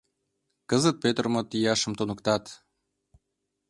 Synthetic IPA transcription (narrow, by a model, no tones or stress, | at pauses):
kəzət̪̚pet̪rmot̪ijɑʃə̆mt̪onə̆kt̪ɑt̪